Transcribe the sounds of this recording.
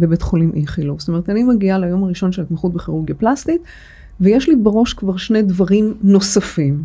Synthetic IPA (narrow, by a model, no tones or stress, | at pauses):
bebetχolimʔiχiluvst̪ome̞ʁet̪animeɡialajo̞maʁiʃo̞nʃelat̪maχut̪̚beχeʁuɡjaplast̪it̪ | vejeʃlibeʁo̞ʃkvaʁʃned̪vaʁimno̞safim